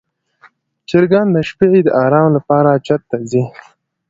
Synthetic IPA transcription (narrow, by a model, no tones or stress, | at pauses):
t͡ʃɪɾɡɑnd̪əʃpeʕid̪əʔɑɾɑːmlapɑɾat͡ʃat̪ːazi